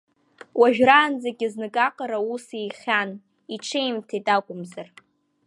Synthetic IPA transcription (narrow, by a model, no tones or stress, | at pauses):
wʔaʒᶣraːnd͡zaɡʲɪznɨkʼaqʼaɾausijχʲan | iʈ͡ʂʰejmtʰitʼakʷʼʊmzar